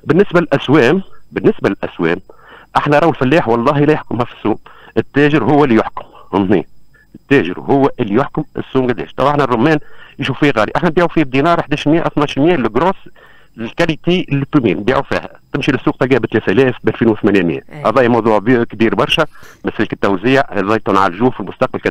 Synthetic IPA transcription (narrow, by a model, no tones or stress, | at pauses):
bɪnːɪsbælɪlʔæswɛːmbɪnːɪsbælɪlʔæswɛ̰ːm | ʔaħnæɾˤɑwəlfælːæːħwɑlˤːɑːɦilæjʊħkʊmhæfi̥sːuːmʔɪt̪ːæːʒɪɾɦʊwːlːijʊħkʊ̥mhʊnnḭːn | ɪt̪ːæːʒɪ̰ɾhʊwːæʔɪlːijʊħkʊmɪ̰sːuːmɡæd̪ɛ̰ːʃt̪ˤɑwʔaħnærˤːʊmːɛːnjʃuːffiːhɣɑːliʔaħnæbiːʕufiːbd̪inɑːɾˤħd̪æːʃlmjæːʔæ̰wθnɑːʃlmjɛːlɪɡɾoːs | lkælit̪ilːit̪ːumiːnbiːʕufḭːhæ̰t̪ɪmʃilɪsːuːq̚t̪ɑlɡiːbɪt̪lɛːθʔælɛːfbʔælfiːnwθmænimjæ̰ʔɑðˤɑːʔjimɑwðˤuːʕbkbiːɾbɑɾˤʃɛmæsælikɪt̪ːæwzɪjaðˤɑjt̪ˤuːnʕa̰lʒuːfilmʊst̪ɑq̚bælkæd̪